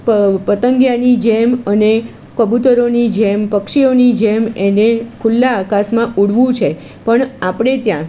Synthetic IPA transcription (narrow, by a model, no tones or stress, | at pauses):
pəpət̪əŋɡjanid͡ʒeməne | kəbut̪əɾonid͡ʒempəkʂionid͡ʒemenekʰulːaːkasmãʔuɽʋũt͡ʃʰe | pəɳapɳ̃et̪jã